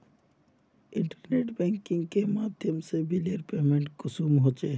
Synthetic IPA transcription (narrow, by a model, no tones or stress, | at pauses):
ɪ̃ɳʈəɾneːʈbɛ̃ːŋkɪ̃ŋɡ̚kemaːd̪ʱjəmsebʱileɾpeːmẽɳʈkʊsuːmɦoːt͡ʃeː